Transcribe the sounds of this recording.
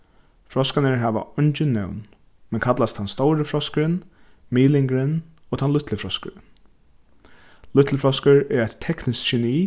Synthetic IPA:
fɾɔskanəɹɦæːʋa̰ɔɲt͡ʃɪnːɛ̰wn | mɛnkʰat̪last̪hanst̪owɾəfɾɔskəɾɪn | miːlɪŋkəɾɪn | ɔːt̪ʰanlʊt̪ʰləfɾɔskə̰ɾ | lʊt̪ʰləfɾɔskəɹɛɹajt̪ʰːɛknɪskʃɛniː

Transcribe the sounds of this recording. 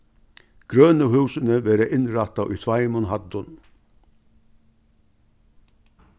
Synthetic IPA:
ɡ̥ɾøːnəhʉːsənəʋeːɾəʔɪnɾɑt̪ɑʔyːt̪ʰʋɑɪmʊnhɑd̪ʊn

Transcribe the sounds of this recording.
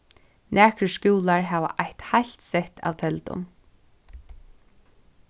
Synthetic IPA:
nʔæːkɾəskuːlaɹɦaːʋa̰ʔajht̪hajlt̪sɛht̪a̰wt̪ʰɛlt̪ʊ̰m

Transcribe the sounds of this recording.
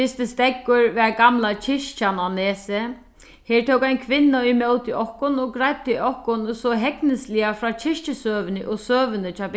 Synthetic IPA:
ɪst̪ɪst̪ɛkːʊɹʋɛɹɡamlat͡ʃʰɪʂt͡ʃananeːsɪ | heːɹt̪ʰowkajnkʰʋɪnːaimœwt̪ɪʔɔhkʊnɔɡɾajp̚t̪ɪiɔhkʊnsɔɦɛknɪslɪafɾaːt͡ɕʰɪʂt͡ʃɪsøːʋɪnɪʔoɣsøːʋɪnɪt͡ʃʰɑːb

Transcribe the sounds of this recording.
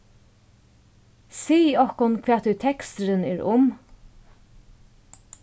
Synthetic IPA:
siːɔhkʊnkʰʋeːt̪ʉt̪ʰɛkst̪əɾənḛːɹʊm

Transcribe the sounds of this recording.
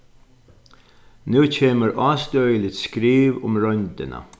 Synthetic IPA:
nʉːcʰeːməɹʔɑːst̪œʏlɪt̪skɾiːʋʊmɹœnd̪ə̰nə̰

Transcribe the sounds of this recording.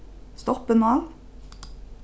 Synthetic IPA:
st̪ɔpənɑːl

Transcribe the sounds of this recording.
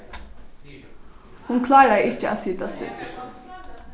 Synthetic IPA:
hʊnkʰlɑːɖæɪɪçəʔɑ̰ːsiːt̪ʰɑst̪ɪ̰t̪

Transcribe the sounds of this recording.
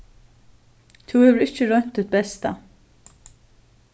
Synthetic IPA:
t̪ʰʊhɛːvəɾɪht͡ʃːɪɾœn̥t̪ʰːɪt̪̚bɛst̪a̰

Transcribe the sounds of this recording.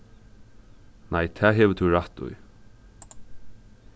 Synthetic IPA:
nʔajt̪ʰɛːɦɛʋət̪ʰʊɹaht̪ṵj

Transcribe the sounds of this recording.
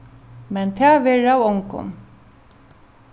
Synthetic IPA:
mɛnt̪ʰɛːvɛːɻawɔŋkʊ̰n

